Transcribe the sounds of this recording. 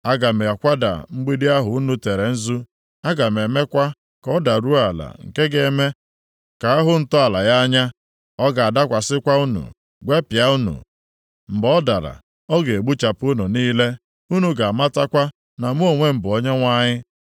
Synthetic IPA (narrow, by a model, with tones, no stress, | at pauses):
a˦ɡa˨me˨a˨kʷa˦da̰˨m̩˦ɡ͡bi˦dɪ˦a˦ɦʊ˨u˦nu˦te˨ɾe˨n̩˦zu˦ | a˦ɡa˨m˨e˨me˦kʷa˦ | kɔ˦da˨ɾu˦a˨la̰˨ŋ̩̰˨ke˦ɡe˦me˦ | ka˨a˦ɦʊ˦n̩˨tɔ˦a˨la˨ja˦ɲa˦ | ɔ˦ɡa˨a˨da˦kʷa˨sɪ˦kʷa˦u˦nṵ˨ | ɡʷe˦pja˦u˦nṵ˨ | m̩˨bɔ˦da˨ɾa̰˨ | ɔ˦ɡe˨e˨ɡ͡bu˦t͡ʃa˨pu˦nu˨niː˦le˦ | u˦nu˨ɡa˨a˨ma˦ta˦kʷa˦ | na˨mu˦o˨ŋʷe˦m̩˨bʊ˨ɔ˦ɲe˦ŋʷa˦ɲɪ˦